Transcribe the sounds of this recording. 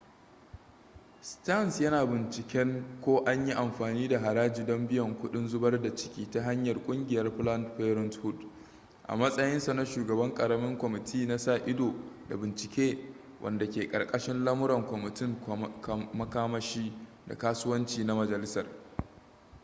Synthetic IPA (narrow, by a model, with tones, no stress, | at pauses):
sta˦˨nsjɐ˦naː˨bɪ˨nt͡ʃɪ˨kʲɛ˦ŋkʷoː˦ʔa˦ɲji˦ʔa˨mɸaː˨niː˦da˨ɦa˨ɾaː˦d͡ʒiː˨dɔ˦mbɪ˦jɐ˨ŋkʷʊ˦ɗɪ˦nzʊ˦bɐ˦rda˨t͡ʃɪ̥˦kʲiː˦ta˦ɦa˦ɲjɐ˨rkʷʼʊ˦ŋɡʲɪ˨jɐ˦rɸlɐ˦ntɸeː˦ɾɔ˦nthʊ˦˨d | ʔa̰˨mɐ˦sʼɐ˦jɪ˦nsa˨na˦ʃuː˨ɡɐ˨bɐ˦ŋkʼɐ˨ɾɐ˦mɪ˦ŋkʷɔ˨mɪ˨tʰiː˦na˦sa˦˨ʔɪ˦doː˨da̰˨bɪ˨nt͡ʃɪ˨kʲeː˦ | wʔɐ̰˨nda˨kʲeː˨kʼɐ̰˨rkʼɐ˦ʃɪ˦nlɐ˦mʊ˦ɾɐ˨ŋkʷɔ˨mɪ˨tɪ˦ŋkmɐ˦kaː˦mɐ˦ʃiː˦da̰˨kaː˦sʊ˦wɐ˦nt͡ʃiː˨na˦mɐ˨d͡ʒɐ˨lɪ˦sɐ˨r